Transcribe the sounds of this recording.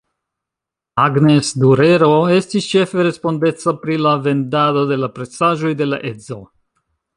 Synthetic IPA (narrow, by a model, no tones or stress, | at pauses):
aɡne̞sduɾe̞ɾo̞e̞stist͡ʃe̞fe̞ɾe̞spo̞nde̞t͡sapɾilave̞ndado̞de̞lapɾe̞t͡saʒo̞jde̞la̰ʔe̞zo